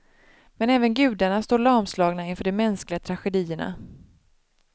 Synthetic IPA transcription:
mɛnɛːvənɡʉ̟ːd̪aɳast̪oːɾɭɑɾmslɑːɡnaɪnfœːɖɛmɛnsklɪɡat̪ʰɾaɧɛd̪iːəɳa̰

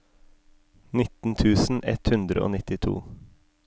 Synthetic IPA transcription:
nɪt̪n̩t̪ʰʉːsn̩ʔɛ̰t̪hʉnd̪ɾəo̰ːnɪt̪ɪt̪ʰṵː

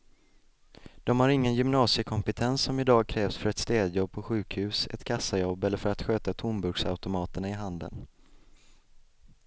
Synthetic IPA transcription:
d̪̥ɔmhaɾɪŋːənjʏmnɑːsɪəkʰɔmpɛt̪ʰɛnsːɔmɪd̪ɑːɡ̚kʰɾɛːvsfœɾɛt̪st̪eːd̪jɔb̚pʰɔɧʉ̟ːkhʉ̟ːsɛ̰t̪kʰasːajɔbːɛlːəɾfœɾat̪ɧøːt̪at̪ʰʊmbɵɡsa̰ʉ̟t̪ʊmɑːt̪əɳaɪɦand̪ə̰n

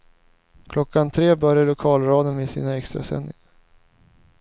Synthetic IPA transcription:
kʰlɔkːant̪ʰɾeːbœɾjalʊkʰɑːlɾɑːd̪ənvɪsḭːnaɛkst̪ɾa̰sɛ̰nd̪ɪ̰ŋaɾ

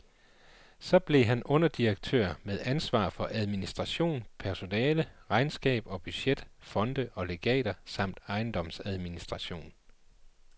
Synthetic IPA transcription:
sɒ̽b̥le̝ɦænʔɔ̽n̰ɐd̥iɐɡ̥̚t͡sʰø̰ɐ̰meðˠænsʋɑ̰̈ːfɒ̽ʔæð̞ˠminisd̥ʁɑ̈ɕo̝̰ːnpʰæɐso̝nɛːləʁɑ̈ɪnsɡ̥ɛ̰ːb̥ɒ̽b̥yɕed̥fɒ̽nd̥əʔɒ̽le̝ɡ̥ɛ̰ːd̥ɐsɑ̈m̰d̥ɑ̈ɪnd̥ɒ̽msæð̞ˠminisd̥ʁɑ̈ɕo̝̰ːn

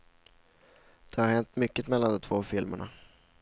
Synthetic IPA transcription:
d̪̥ɛhaɾhɛnt̪mʏkːət̪mɛlːand̪ɔmt̪ʰvoːfɪlmə̰ɳa̰

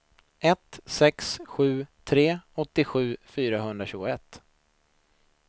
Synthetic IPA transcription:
ɛt̪sɛksɧʉ̟ːt̪ʰɾeːɔt̪ːɪɧʉ̟ːfyːɾaɦɵnd̪ɾaɕʉːɡʊɛt̪ː

